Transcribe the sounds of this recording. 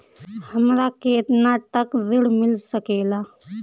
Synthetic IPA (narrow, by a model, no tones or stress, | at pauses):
hɐmɾakeːt̪nat̪əkzɪɽmɪlsəkeːlaː